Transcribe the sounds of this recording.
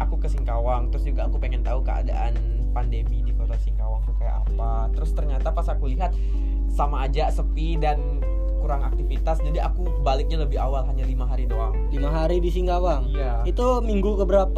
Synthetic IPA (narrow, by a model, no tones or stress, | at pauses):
ʔakukəsiŋkawaŋt̪əɾʊsd͡ʒuɡaəŋkupeŋɛnt̪aukəa̰da̰ʔan | pandemidikɔt̪arsiŋkawaŋsukaja̰ʔa̰pa | t̪əɾʊst̪ərɲat̪apasakuliɦat̪̚ | samaːd͡ʒasəpidan | kuɾaŋak̚t̪ifit̪asd͡ʒadia̰ku | balɪk̚ɲaləbɪɦawalɦaɲalimaɦaɾinoaŋlimaɦaɾidisiŋkawaŋja | it̪u | miŋɡukəbəɾap